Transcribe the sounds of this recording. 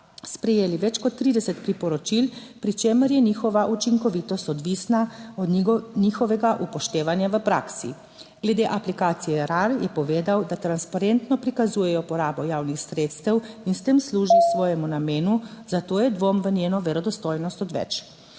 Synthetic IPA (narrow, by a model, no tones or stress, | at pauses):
spɾɛjeːliʋɛt͡ʃkɔt̪ːɾiːd̪ɛsɛt̪pɾipɔɾɔt͡ʃil | pɾit͡ʃeːməɾjɛnixɔʋaʔut͡ʃiŋkɔʋiːt̪ɔst̪ɔd̪ʋisnaɔd̪niːxɔʋɛɡaʔupɔʃt̪eːʋanjaʋəpɾa̰ːksḭ | ɡ̥lɛd̪eʔaplikaːt̪sijɛɾaɾjɛpɔʋeːd̪awd̪at̪ɾanspaɾent̪nɔpɾikazuːjɛjɔpɔɾaːbɔjaːwnixsɾeːt̪st̪əwinst̪emsluːʒisʋɔːjɛmunameːnuzat̪oːjɛd̪ʋomʋənjeːnɔʋɛɾɔd̪ɔst̪oːjnɔst̪ɔd̪ʋɛ̰t͡ʃ